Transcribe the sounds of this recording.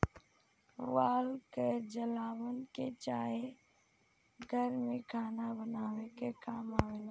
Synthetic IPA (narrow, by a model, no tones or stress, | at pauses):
ʋaːlked͡ʒəlaːʋənɪkeːt͡ʃaːɦe | ɡʱəɾmẽːkʰaːnabənaːʋeːkekaːmaːʋeːlː